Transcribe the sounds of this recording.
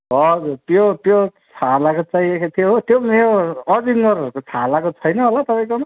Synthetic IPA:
ɦʌd͡zurt̪jot̪jot͡sʰalakot͡saĩekat̪ʰijoɦot̪jomeoʌdiŋɡʌɾʌɾukot͡sʰalakot͡sʰʌjnʌɦolat̪ʌpaj̃kom

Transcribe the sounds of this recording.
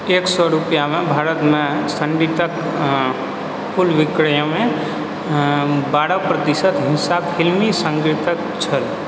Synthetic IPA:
eːksɔɾupjamẽbʱaːɾət̪mẽsəɳɖit̪ək | pʰʊlʋɪkɾəjə̃mẽ | baːɽapɾət̪ɪsət̪ɦɪ̃nsaːbhɪlmisə̃ŋɡɾɪt̪ək̚ | t͡ʃʰəl

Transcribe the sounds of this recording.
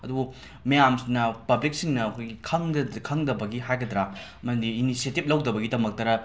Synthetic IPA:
ɐdubu | mɐjamsinːɐpɐblik̚siŋnɐːkʰojɡikʰɐŋdkʰɐŋdɐbɐɡiɦajɡɐdɾamɐdiːnisietip̚lɐwdɐbɐɡidɐmɐk̚tɐɾɐ

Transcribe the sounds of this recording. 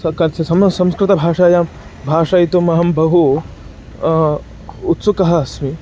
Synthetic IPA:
ɐkɐnsɐsɐmsɐmskɾɪt̪ɐbʱaːʂaːjaːm | bʱaːʂajit̪umɐɦɐmbɐɦu | t̪sukɐɦɐɐsmi

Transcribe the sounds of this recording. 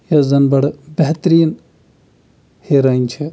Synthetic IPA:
jɐzɐnbɐɽbeɦt̪ɾiːn | heɾɐːint͡ʃʰi

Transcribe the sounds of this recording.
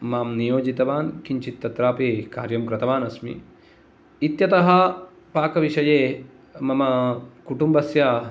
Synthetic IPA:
maːmnijoːd͡ʒit̪ɐʋaːnkiɲt͡ʃit̪ːɐt̪ɾaːpeːkaːɾjɐmkɾɐt̪ɐʋaːnɐsmḭ | it̪jɐt̪ɐɦɐ | paːkɐʋiʃɐjeː | mɐmɐkuʈumbɐsjaː

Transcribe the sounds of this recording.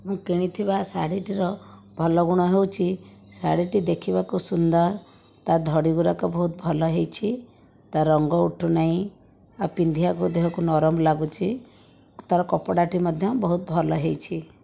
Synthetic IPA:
mũkiɽ̃it̪ʰibasa̰ɽiʈiɾɔbʱɔlɔɡuɽ̃ɔɦewt͡ʃʰisaɽiʈid̪ekʰibakusund̪ɔɾ | t̪ad̪ʱɔɽiɡuɾakɔbɔɦut̪̚bʱɔlɔɦejt͡ʃʰi | t̪aɾɔŋɡɔuʈʰunaɦĩ | apind̪ʱiakud̪eɦakunɔɾɔmlaɡut͡ʃʰi | t̪aɾɔkɔpɔɽaʈimɔd̪ʱjɔbɔɦut̪̚bʱɔlɔɦejt͡ʃʰi

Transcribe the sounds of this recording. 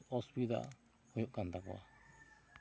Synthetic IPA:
ospiða̰ | ojoʔkand̪akua̰

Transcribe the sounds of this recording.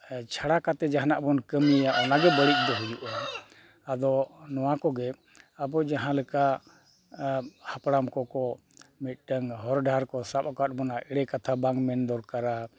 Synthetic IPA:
t͡ʃʰaɽakat̪ɛd͡ʒaɦnaʔbɔnkəmlɛjaʔɔnaɡɛbəɽic̪̚ˀd̪ɔɦujuʔa | ad̪ɔnɔwakɔɡɛ | abɔd͡ʒaɦãləka | hapɽamkɔkɔ | mit̪̚ʈəŋɦɔɾɖʱaɾkɔsap̚kat̚bɔnaʔɛɽɛkat̪ʰabaŋɡmɛnd̪ɔɾkaɾa

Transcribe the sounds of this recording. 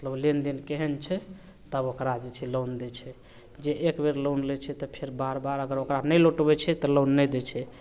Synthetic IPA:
mət̪ləblend̪inkeɦɛnt͡ʃʰɛ | t̪əbokɾad͡ʒɛt͡ʃʰɛlond̪ɛt͡ʃʰɛ | d͡ʒeʔekbeɾlonlɛt͡ʃʰɛt̪ɔpʰeɾbaɾbaɾəɡəɾokɾanəjloʈbɛt͡ʃʰɛt̪ɔlonːɛjd̪ɛt͡ʃʰɛ

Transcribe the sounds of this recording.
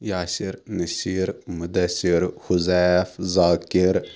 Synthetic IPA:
jaːsiɾnɐsiːɾmʊd̪ɐsiɾhʊzɛfzaːkiɾ

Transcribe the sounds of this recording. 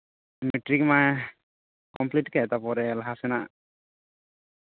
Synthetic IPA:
miʈɾikma | kɔmpliʈkɛt̪apɔɾɛlaɦasɛnaʔ

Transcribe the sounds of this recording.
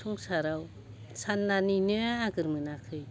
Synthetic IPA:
uŋsaɾaw | sanːaninɯaɡɯɾmɯnakʰɯj

